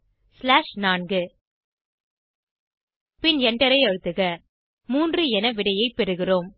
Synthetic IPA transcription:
slaːʂnaːnɡɯ | pɪnɛɳɖɐɾɐɪɐɻɯt̪ːɯɣɐ | muːndrɯɛnɐʋɪɽɐjɐɪpːɛɾɯɣɪroːm

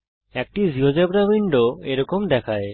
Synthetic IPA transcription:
ek̚ʈiziɦod͡ʒebɾabiɳɖoeɾɔkomd̪ɛkʰaj

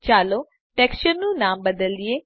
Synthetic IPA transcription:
t͡ʃaːloː | ʈɛːkst͡ʃəɾnũːnaːmbəd̪əld̪ɪeː

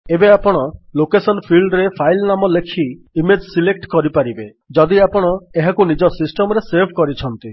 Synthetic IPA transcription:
ebeapɔɽ̃ɔlokesɔnpʰilɖɾepʰajlnamɔlekʰi | imed͡ʒsilek̚ʈkɔɾipaɾibe | d͡ʒɔd̪iapɔɽ̃ɔeɦakunid͡ʒɔsisʈɔmɔɾeseɾbʱkɔɾit͡ʃʰɔnt̪i

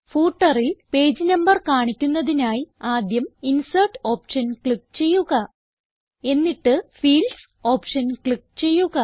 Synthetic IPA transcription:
fuːʈːɐrilpe̞ːd͡ʑɨnɐmbɐrkaːɳikʲːunːɐðinaːjiaːd̪jɐminsɐrʈo̞ːpʂɐnkɭikt͡ɕe̞jːuɣɐ | e̞nːiʈːɨfiːls | o̞ːpʂɐnkɭik̚t͡ɕe̞jːuɣɐ

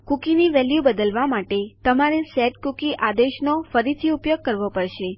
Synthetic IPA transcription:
kukiniʋɛljubəd̪əlʋamaʈet̪əmaɾesɛʈkukiʔad̪eʃnofəɾit̪ʰiupjoɡ̚kəɾʋopəɾʃe

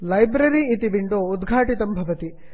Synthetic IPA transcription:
lɐjbɾɐɾiːt̪iʋiɳɖoːud̪ɡʱaːʈit̪ɐmbʱɐʋɐt̪i

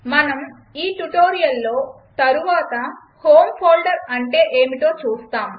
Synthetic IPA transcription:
mɐnɐm | iːʈuʈoːɾijɐlːo̞ː | t̪ɐɾuʋaːt̪ɐ | hoːmpʰoːlɖɐɾɐɳʈe̞ːʔeːmiʈo̞ːt͡ʃuːst̪aːm

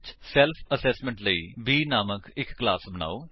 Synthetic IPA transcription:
t͡ʃsɛːlpʰəsɛːsmɛ̃ɳʈləḭːbiːnaːməkɪkːlaːsbəna̰ːoː

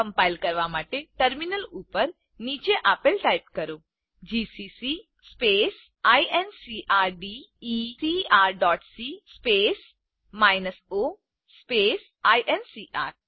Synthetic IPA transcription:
kɐmpajlkɐɾʋaːmaːʈeʈɐɾminɐluːpɐɾ | niːt͡ʃeːʔɐpelʈɐjp̚kɐɾoː | d͡ʒiːsiːsi | speːs | ajʔensiːʔaːɾɖiː | iːsiːaːɾɖaːʈsiːspeːs | maːjnɐsoː | speːs | ajʔensiːʔaːɾ

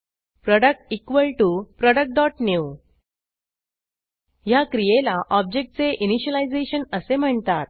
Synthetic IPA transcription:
pɾɔɽək̚ʈikʋəlʈupɾɔɽək̚ʈ̚ɖɔʈnju | jakɾijelaʔɔb̚d͡ʑek̚ʈ̚t͡seʔiniɕəlajd͡zeɕənəsem̤əɳt̪at̪̚

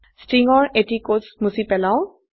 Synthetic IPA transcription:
stɹiŋɔɹetikosmusipɛlaʊ̃

